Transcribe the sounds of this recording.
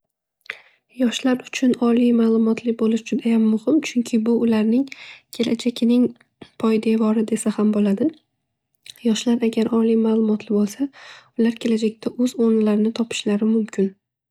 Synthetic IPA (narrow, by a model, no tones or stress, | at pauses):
jɒʃlaɾʊt͡ʃʰʊnɒlijmaːlˠʊmɒt̪ʰlɪbolɪʃd͡ʒʊd̪ajamːʊhɪmt͡ʃʰʊŋkʲʰɪbʊʊlaɾnɪŋkʲʰe̞lʔad͡ʒakʲʰɪnɪŋ | pʰɒjd̪e̞vɒɾɪd̪e̞sahambolad̪ɪ | jɒʃlaɾaɡʲaɾʔɒlijmaːlˠʊmɒt̪ʰlɪbolˠsaʊlaɾkʲʰe̞lad͡ʒakʲt̪ʰaʔɵz̥oɾnɪlaɾɪnɪt̪ʰɒpʰɪ̥ʃlaɾɪmʊmkʲʰɪn